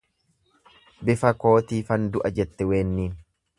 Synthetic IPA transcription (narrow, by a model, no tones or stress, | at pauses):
bɪfɐko̞ːt̪iːfɐnd̪ʊʔɐd͡ʒɛt̪ːɛwe̞ːnːiːn